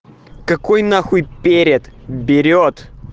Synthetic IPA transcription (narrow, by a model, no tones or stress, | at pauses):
kɐkojnaxujpʲeɾʲɪt̪bʲɪɾʲot̪